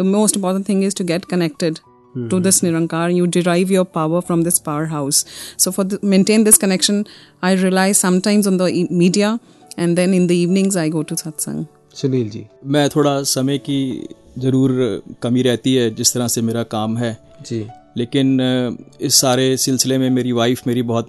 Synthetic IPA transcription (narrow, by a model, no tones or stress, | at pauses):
d̪əmoːsʈɪ̃mpɔːɾʈə̃nʈt̪ʰɪ̃ŋɡɪzʈuɡɛʈkənɛk̚ʈɪɖ | ʈud̪ɪsnɪɾə̃ŋkaːɾjuːɖɪɾaɪʋjəɾpaʊəɾfɾɔ̃md̪ɪspaʊəɾɦaʊsːoːfɔɾd̪mẽnʈẽːnd̪ɪskənɛkʃə̃naɪɾiəlaɪzsɐ̃mʈãɪ̃mzɔ̃nd̪əmiːɖia | ɛ̃nd̪ɛ̃nɪ̃nd̪əiːʋnɪ̃ŋzaɪɡoːʈusat̪sə̰̃ŋ | t͡ʃɐlild͡ʒḭːmɛ̃ːt̪ʰoːɽasɐməjki | zɐɾuːɾkɐmiɾɛɦt̪iɦɛd͡ʒɪst̪ɐɾasemeːɾakaːmɦɛː | d͡ʒileːkɪn | ɪsːaːɾesɪlsɪlemẽmeːɾiʋaːɪfmeːɾibɐɦɔt̪